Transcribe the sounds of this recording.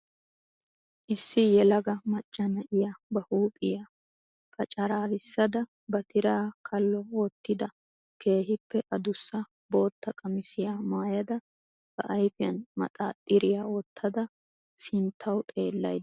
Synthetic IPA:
ʔɪsːɪjɛlɐɡɐmɐt͡ʃʼːɐnɐʔɪjabɐhuːpʼɪja | fɐt͡ʃʼɐɾaːɾɪsːɐd̪ɐ | bɐt̪ɪɾaːkʰɐlːɔoːt̪ːɪd̪ɐ | kʰe̞ːɦɪpːɛʔɐd̪ʊsːɐ | bo̞ːt̪ːɐkʼɐmɪsɪjaːmaːjɐd̪ɐ | b̥ɐʔɐjfɪjɐ̰nmɐ̰t̪ʼa̰ːt̪ʼːɪɾɪjaːot̪ʰːɐd̪ɐ | sɪnt̪ʰːɐwt̪ʼe̞ːlːɐ̰j̪

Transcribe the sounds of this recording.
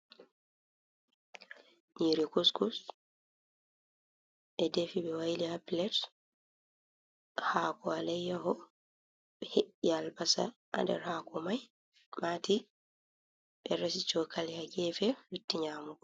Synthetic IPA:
ɲiɾikuskus | ʔɛdefibɛwajlihapilɛt | haːkɔalɛjːahɔ | bɛheʔialbasa̰ʔa̰ndɛ̰ɾhaːkɔmaj | maːti | ɓɛɾasit͡ʃɔkʰalihaɡɛfɛjutːiɲaːmuɡɔ

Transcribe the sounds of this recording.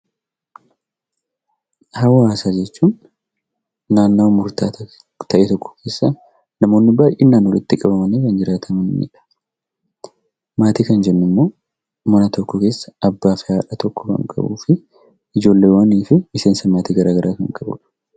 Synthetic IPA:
hɐwhaːsaːd͡ʒɛt͡ʃːuːn | aːnːoːmʊɾt̪aːt̪ɐ | t̪ʰɐʔɛːt̪ɔkːɔ̥kʰe̞ːsːa | nɐmo̞ːnːɪbaːjenːaːnwɔlɪt̪ːɪkʼɐbɐmɐneːkɐnd͡ʒɪɾaːt̪ʰɐmɐnmḭːᶑɐ̥ | maːt̪iːkɐnd͡ʒɛnːʊmːo̞ː | mɐnɐt̪ɔkːɔke̞ːsːɐ̥ɐbːaːfɪhaːᶑɐt̪ɔkːɔ̥kɐ̰ŋkʼɐ̰bṵːfɪ | ɪd͡ʒo̞ːlːe̞ːwɐniːfɪmɪseːnsɐmaːt̪iːɡɐɾʔaːɡɐɾʔaːkɐŋkʼɐbʊ̰ᶑɐ̥

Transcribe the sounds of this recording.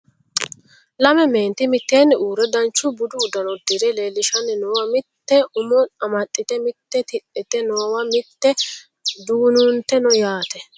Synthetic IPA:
lɐmɛme̞ːnt̪ɪmɪt̪ːeːnːɛuːɾɛd̪ɐnt͡ʃːʊbʊd̪ʊːd̪ɐnɔd̪ɪɾɛleːlːɪʃɐnːɪnoːwɐmɪt̪ːɛʔʊmɔɐmɐt̪ʼːɪt̪ɛmɪt̪ːɛt̪ɪtʼːɪt̪ɛnɔwɐmɪt̪ːɛ | d̪uːnʊnt̪ːɛnɔjaːt̪ɛ

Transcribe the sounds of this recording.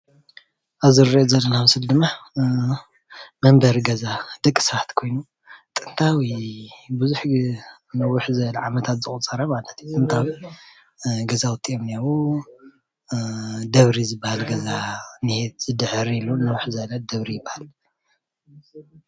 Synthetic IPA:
ʔaβzɨɾːiʔozɐlːɐnaaβsɨld̪ɨmːa | mɐmbɐɾɡɐzad̪̥ɐkʼːi̥sɐβat̪kʰo̞jnu | t̪ʼɨnt̪ʰawibɨzuħ | nɐwʊħzɐβlʕamɐt̪ʰat̪zɨχʼut͡sʼɐɾɐmalɐt̪jut̪ʼɨnt̪ʰawi | ɡɐzawʊt̪ʼiomnjawu | d̪ɐβɾizɨbːahalɡɐzanihet̪z̥ɨd̪ɨʕɾilunɐwʊħzɐlɐd̪ɐβɾijɪbːahal

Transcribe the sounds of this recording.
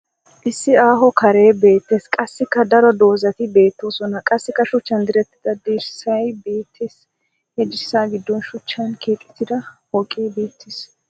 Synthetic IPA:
ʔɪsːɪaːɦɔkɐɾe̞ːbe̞ːt̪ːeːskʼɐsːɪkːɐd̪ɐɾɔd̪o̞ːzɐt̪ɪbe̞ːt̪ːoːsɔnɐkʼɐsːɪkːɐʃʊt͡ʃːɐnd̪ɪɾɛt̪ːɪ̥d̪̥ɐd̪eːɾsɐjbeːt̪ʰːeːs | hɛd͡ʒɪsːaːɡɪd̪ːɔnʃʊt͡ʃːɐnkʰeːt͡ʃʼːɪ̥t̪ɪd̪ɐwɔkʼːeːbeːt̪ːes

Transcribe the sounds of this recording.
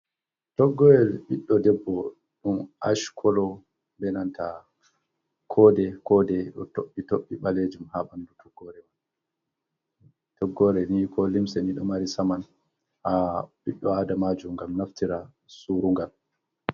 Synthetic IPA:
tɔɡːɔwɛlɓiɗːɔdɛbːɔ | ɗumʔa̰ʃkʰɔlɔ | bɛnanta | kʰɔːdɛkɔdɛɗɔ̰toɓːitoɓːiɓaled͡ʒumhaɓandutʰɔɡːɔɾɛman | tʰɔɡːɔɾɛnikʰɔlimsɛniɗɔmaɾisaman | haɓiɗːɔadamad͡ʒumŋɡamnaftiɾa | suɾuŋɡal

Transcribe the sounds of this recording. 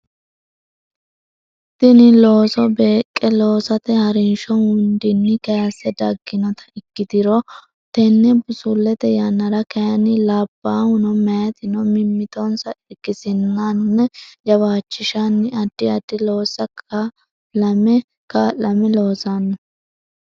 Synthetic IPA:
t̪ɪnɪlo̞ːsɔbe̞ːkʼːɛlo̞ːsɐt̪ɛhɐɾɪnʃɔhʊnd̪ɪnːɪkɛjɐsːɛd̪ɐɡːɪnɔt̪ʰɐ̥ɪkːɪd̪ɪɾɔ | t̪ɛnːɛbʊsulːɛt̪ɛjɐnːɐɾɐkɛjɐnɪlaːbːaːhʊnɔmɛjɐt̪ɪnɔmɪmːɪt̪ɔnsɐɪɡːɪsɪnːɐnːɛd͡ʒɐbaːt͡ʃːɪʃanːɪɐd̪̥ːɪɐd̪ːɪlo̞ːsːɐkɐ | lɐmɛ | kalɐmɛlo̞ːsanːɐ

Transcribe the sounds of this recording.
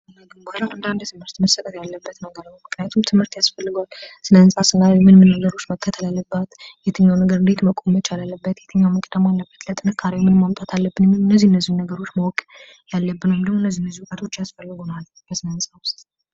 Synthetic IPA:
naɡɨmbaɾaand̪and̪t̪ʰɨmhɨɾt̪məsːət̪ʼət̪jalːəbːət̪nəɡəɾnəwmɨknɨjat̪ʰumt̪ʰɨmhɨɾt̪jasfəlːɨɡʷalsɨnənsʼasɨnːajɛmɨnmɨnːəɡəɾo̞t͡ʃːməkʰːət̪ʰəlalːəbːat̪jɛt̪ʰəɲːawnəɡəɾɨnd̪et̪məkʼomət͡ʃalalːəbːət̪jɛt̪ʰəɲːawməkʼəd̪əmalːəbːət̪lət̪ʼɨnɨkʰːaɾiwmɨnmamt̪ʼat̪ʰalːəbːɨnmːilɨnːəzːihɨnːəzːihunːəɡəɾo̞t͡ʃːməwɔkʼ | jalːəbːɨnəwmd̪əɡmoɨnːəzːihɨnːəzːihukʼət̪ʰo̞t͡ʃːjasfəlːɨɡonal | b̥əsɨnənsʼawst̪

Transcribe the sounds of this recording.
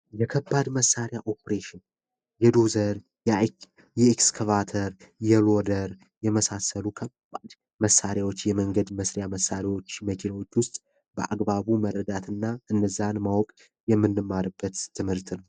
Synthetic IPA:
jɛkʰəbːad̪məsːaɾjaʔo̞pʰɾeʃɪn | jɛd̪o̞zəɾ | jɛ | jɛɛkskʰəvat̪ʰəɾjɛlo̞d̪əɾ | jɛməsasəlukʰəbad̪ | məsːaɾjawo̞t͡ʃːjɛməŋɡəd̪məsɾɪjaməsːaɾiwo̞t͡ʃːməkʰeləwo̞t͡ʃːwʊst̪ʼ | bə̰ʔa̰ɡbaβumərːəd̪at̪ʰɨnːaʔɨndəzːanmawɔkʼ | jɛmːɨnːɨmːaɾɨbːət̪ːʰɨmhɨɾt̪nəw

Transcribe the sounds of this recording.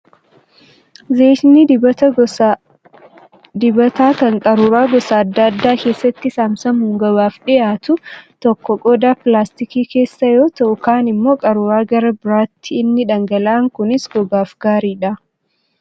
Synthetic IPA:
zeːʃnidbɐtɐ | d̪ɪbɐt̪aːkɐŋkʼɐɾuɾaːɡɔsaɐd̪ːɐɐd̪ːaːke̞ːsːɐt̪ːɪsaːmsɐmuːŋɡɐbaːfᶑɪʔaːt̪ʊt̪ɔkːɔkʼoːd̪aːpɪlaːst̪ɪkiːke̞ːsːɐjo̞ːt̪ɐʔʊkaːnɪmːo̞ːkʼɐɾuːɾaːɡɐɾɐbɪɾaːt̪ʰːɪɪnːɪᶑɐŋɡɐlaːŋkʊnɪsɡɔɡaːfɡ̥aːɾiːᶑɐ

